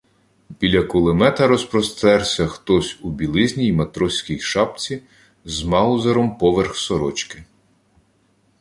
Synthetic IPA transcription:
bʲilʲɐkɔlˠɪmɛt̪ɐɾɔspɾɔst̪ɛɾsʲɐxt̪ɔsʲubʲilˠɪzʲnʲijmɐt̪ɾɔsʲkʲijʃɑp̚t͡sʲi | zmɑzɐɾɔmpɔʋerxsɔɾɔt͡ʃkɪ

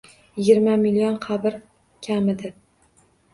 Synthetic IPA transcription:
jɪɡʲɪɾmamilionqʰɑbɪɾ | kʲʰamɪd̪ɪ

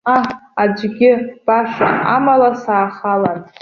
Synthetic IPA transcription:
aad͡ʒʷɡʲɪb̥aʂa̰amalasaːχalan

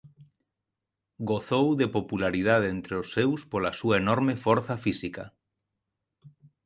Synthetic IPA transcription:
ɡoθowðepopulaɾið̞aðent̪ɾeosːewspolasuaenɔɾmefɔɾθafisika̰

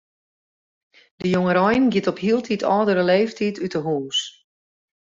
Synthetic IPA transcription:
d̥əjoŋəɾɔjnɡjɪtɔphiəlˠtʰitʰɔːdəɾəleːftʰitʰytəɦuːs

